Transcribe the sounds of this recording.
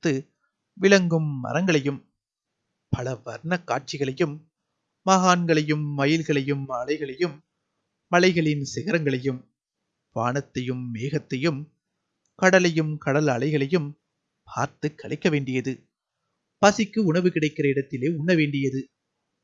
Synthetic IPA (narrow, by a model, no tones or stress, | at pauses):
t̪ːɯ | ʋɪlɐŋɡɯmːɐ̰ɾɐŋɡɐɭɐjɯm | pɐlɐʋɐɾɳɐkːaːʈ̚t͡ʃɪɣɐɭɐjɯmː | ɐɣaːnɡɐɭɐjɯmːɐjɪlɣɐɭɐjɯmɐɭɐɪɣɐɭɐjɯmː | ɐlɐɪɣɐɭɪnsɪɣɐɾɐŋɡɐɭɐjɯm | ʋa̰ːɳɐt̪ːɐjɯmːeːɣɐt̪ːɐjɯm | kɐɽɐlɐjɯmkɐɽɐlɐɭɐɪɣɐɭɐjɯm | pʰa̰ːɾt̪ɯkːɐɭɐɪkːɐʋeːɳɖɪjɐðɯ | pɐsɪkːɯʊɳɐʋɯkɪɽɐɪkːɪrɐɪɽɐt̪ːɪleːʊɳːɐʋeːɳɖɪjɐðɯ